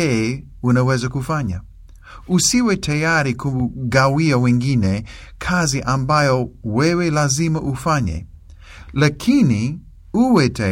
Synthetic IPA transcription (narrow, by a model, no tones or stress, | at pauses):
ɛ | unawɛzakufaɲa̰ | usiwɛtajaɾikʰuɡawiawɛ̃ŋɡinɛ | kʰaziʔambajɔwɛwɛlazimaʔufaɲɛ̰ | lakʰini | uwɛta